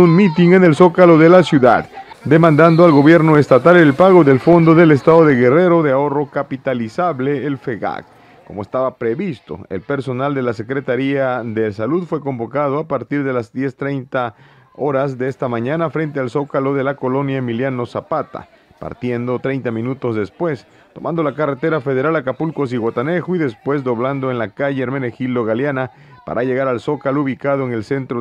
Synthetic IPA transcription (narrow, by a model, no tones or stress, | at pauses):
unmit̪iŋene̞lso̞kalo̞ðe̞lasjuða̰ðd̪e̞mãnd̪and̪oalɣo̞βje̞ɾno̞e̞st̪at̪alelpaɣo̞ðe̞lfo̞nd̪o̞ðe̞le̞st̪aðo̞ðe̞ɣe̞re̞ɾo̞ðeao̞ro̞kapit̪alisaβle̞ːlfeɣa̰k | komoest̪aβapɾeβist̪o̞̰e̞̰lpe̞ɾso̞nald̪e̞lase̞kɾe̞t̪aɾiaðe̞saluðfwe̞ko̞mbo̞kað̞oapaɾt̪iɾðe̞lazd̪je̞st̪ɾejnt̪a | o̞ɾazd̪eest̪amãɲanafɾe̞nt̪ealso̞kalo̞ðe̞lako̞lo̞njaemiljano̞sapat̪a̰ | pa̰ɾt̪je̞nd̪o̞t̪ɾejnt̪amĩnut̪o̞zðe̞spwe̞s | t̪o̞mʔãnd̪o̞lakare̞t̪e̞ɾafeð̞e̞ɾalakapulko̞s̬iɣwat̪ane̞xoiðe̞spwe̞zd̪o̞βland̪oenlakaʝeːɾmenexild̪o̞ɣaljana | pa̰ɾʔaʝe̞ɣaɾalso̞kalouβikað̞oeŋe̞lse̞nt̪ɾo